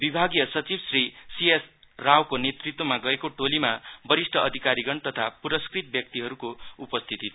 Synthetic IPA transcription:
bibʱaɡijʌsʌt͡sibsrisies | rawkonet̪rit̪wʌmaɡʌekoʈolimabʌɾisʈʰʌʌd̪ʱikaɾiɡʌnt̪ʌt̪ʰapuɾʌskrit̪̚bjʌk̚t̪iɦʌɾukoupʌst̪ʰit̪i

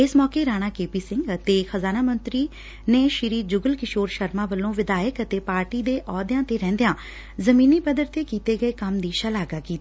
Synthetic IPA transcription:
ɪsmɔːkeːɾaːɽ̃aːkeːpiːsɪ̃ŋɡət̪eːxəzaːnaːmə̃nt̪ɾiː | neːʃɪɾiːd͡ʒʊɡəlkɪʃoːɾʃəɾmãːʋəlːõːʋɪd̪aːjəkət̪eːpaːɾʈiːd̪eːʔɔːd̪jãːt̪eːɾɛ̃ːnd̪ejãː | zəmĩːniːpəd̪əɾt̪eːkiːt̪eːɡəeːkəmd̪iːʃəlaːɡaːkiːt̪ː

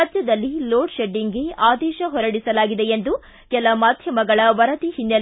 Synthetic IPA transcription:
d͡ʒjɐd̪ɐlːiloːʈʃeɖːiŋɡe̞aːd̪ɛːʃɐɦɔɾɐɽisɐlaːɡid̪eend̪u | kɛlɐmaːd̪ʱjɐmɐɡɐɭɐʋɐɾɐt̪ihinjɐl

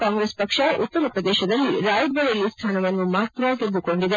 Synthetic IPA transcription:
kaːŋɡɾespɐkʂɐʔut̪ːɐɾɐpɾɐd̪ɛːʃɐd̪ɐlːiɾaːjd̪ʋɐɭɐlust̪ʰaːnɐʋɐnːumaːt̪ɾɐʋaːɡed̪ːuko̞ɳɖid̪e

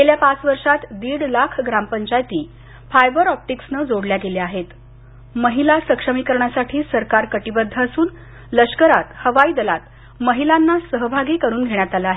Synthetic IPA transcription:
keljapat͡sʋəɾʂat̪d̪iːɽlakʰɡɾampəɲt͡ɕajt̪iː | fajbəɾɔp̚ʈiksnəd͡zoɽljaɡeleaɦet̪ | məɦilasəkʂəmikəɾɳjasaʈʰiːsəɾkaɾkəʈibəd̪ʱːaəsuːn | ləʂkəɾat̪həʋaiːd̪əlat̪ | məɦilanːasəɦbʱaɡiːkəɾuːnɡʱeɳ̃jat̪aləaɦe

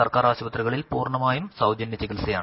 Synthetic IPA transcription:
ɐrkaːɾaːɕɐbɐt̪rɐɣɐɭilpuːrɳɐmaːjumsɐwd͡ʑɐnjɐt͡ɕikilsɐjaːɳ

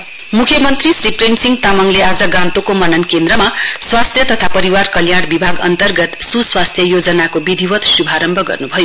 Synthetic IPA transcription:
mukʰjʌmʌnt̪risriprenʈsiŋɡt̪amʌŋlead͡zʌɡãnt̪okomʌnʌnkend̪rɾʌmaswast̪ʰjʌt̪ʌt̪ʰapʌɾiwarkʌljaɽbibʱaɡʌ̰nt̪ʌrɡʌt̪suswast̪ʰjʌjod͡zʌnakobid̪ʱiwʌt̪subʱaɾʌmbʱʌɡʌ̰rnubʱʌjo

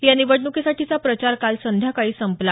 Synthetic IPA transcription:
janiʋəɽnukesaʈiːt͡sapɾət͡ɕaɾkalsənd̪ʱjakaɭiːsəmpla

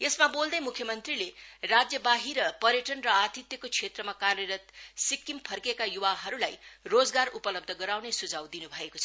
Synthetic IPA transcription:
esmabold̪ʌjmukʰjʌmʌnt̪rilerad͡zjʌbaɦiɾʌpʌɾjʌʈʌnrʌat̪it̪jʌkot͡sʰet̪rʌmakarjʌɾʌt̪̚sikːimpʰʌrkekajuwaɦʌɾulajrod͡zɡaɾupʌlʌb̚d̪ʱʌɡʌɾawnesud͡zʱawd̪inubʱʌekot͡sʰʌ

